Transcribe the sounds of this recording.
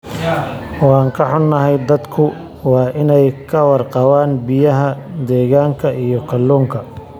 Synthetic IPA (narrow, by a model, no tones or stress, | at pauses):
wɑːŋkʰɐħʊnːɐɦɛjd̪ɐd̪kʰʊ | wɑːʔɪnɛjkʰɐwɑrqɑwaːnbɪjɐɦɐd̪ɛːɣaːŋkʰɐʔijɞkʰɐlːuːŋkʰɐ